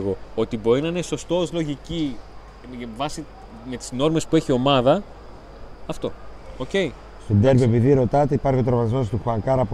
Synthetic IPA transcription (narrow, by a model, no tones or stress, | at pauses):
ɣo̞ot̪ibo̞ɾinɐineso̞st̪o̞ozlo̞ʝici | vɐsi | me̞t̪i̥zno̞ɾme̞spue̞çio̞mɐðɐ | ɐft̪o̞̰ | oce̞i | st̪od̪eɾvepiðiɾo̞t̪ɐt̪eipɐɾço̞t̪ɾvɐzmost̪uxuɐŋkɐɾɐp